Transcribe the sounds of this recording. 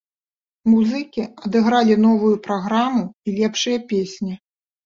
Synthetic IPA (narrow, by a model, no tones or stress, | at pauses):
muzɨkʲiɐd̪ɨɣɾalʲinɔvujupɾaɣɾamuilʲɛpʂɨjɐpʲesʲnʲi